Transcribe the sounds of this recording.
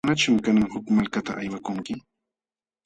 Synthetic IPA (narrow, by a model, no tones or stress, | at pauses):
nat͡ʃʊmkanaŋhʊkmalkat̪a̰ʔajwakʊŋkɪ